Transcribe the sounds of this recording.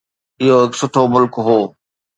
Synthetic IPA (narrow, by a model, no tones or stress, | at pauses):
ɪɦoɦɪksʊʈʰomʊlkɦoː